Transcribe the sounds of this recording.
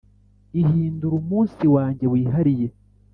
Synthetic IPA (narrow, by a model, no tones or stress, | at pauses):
ihiːnduɾumuːnsiwaːɲɟe̞βwiːɦaɾije̞